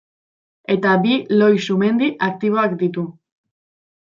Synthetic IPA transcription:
e̞t̪abilo̞jsume̞nd̪iʔak̚t̪iβ̞o̞akd̪it̪u

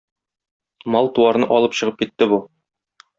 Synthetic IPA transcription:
mɒlˠt̪uɑɾnɤʔɒlˠɤpɕɤ̆ʁɤp̚kit̪ːɘbu

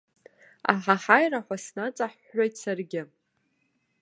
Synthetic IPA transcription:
a̰ħaħajraħʷasnat͡sʼaħ | ajtʰsarɡʲɪ

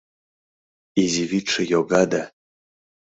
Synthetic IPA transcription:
iziviʈ͡ʂʰɨjɔɡad̪a

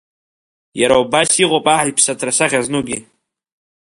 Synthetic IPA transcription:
jaɾawbasiqʼopʼaʕajpʰsatʰrasaχʲaznuɡʲi

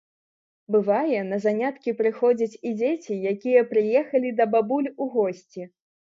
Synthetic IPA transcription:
bɨvajɛnɐzanʲat̪kʲipɾɨxɔd͡zʲit͡sʲid͡zʲet͡sʲijakʲijɐpɾɨjɛxɐlʲid̪ɐbabulʲuɣɔsʲt͡sʲi

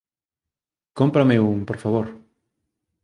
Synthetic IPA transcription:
kompɾameuŋpoɾfaβ̞oɾ

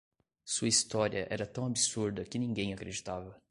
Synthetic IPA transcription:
suɐist̪ɔɾiɐʔɛ̰ɾɐt̪ɐ̃w̃abisuɾd̪ɐkɪnĩɡẽj̃akɾed͡ʒit̪avɐ

